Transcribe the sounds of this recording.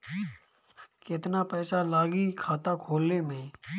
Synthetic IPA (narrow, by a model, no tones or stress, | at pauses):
kɪt̪napɛːsalaːɡikʰaːt̪akʰoːlːemẽː